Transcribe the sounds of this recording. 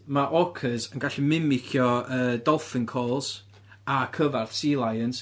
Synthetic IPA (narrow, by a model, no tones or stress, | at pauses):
maʔɔkʰəzənɡaɬimɪmɪkʰjɔəːdɔlˠfɪnkʰɔːlˠs | akʰəvarθsilˠajəns